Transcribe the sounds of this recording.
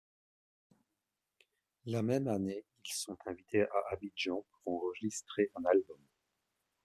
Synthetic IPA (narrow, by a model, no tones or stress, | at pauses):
lamɛmaneilsɔ̃t̪ʰɛ̃vit̪ʰeʔaʔabid͡ʒɑ̃puʁɑ̃ʁəʒist̪χeʔɛ̃nalbɔm